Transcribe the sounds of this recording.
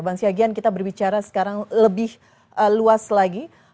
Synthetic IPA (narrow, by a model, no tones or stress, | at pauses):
baŋsiaɡiankit̪abərbit͡ʃaɾasə̥kaɾaŋləbɪh | ʔəluaslaɡi